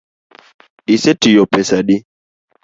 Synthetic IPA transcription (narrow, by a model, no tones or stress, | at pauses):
isetijɔpɛsadi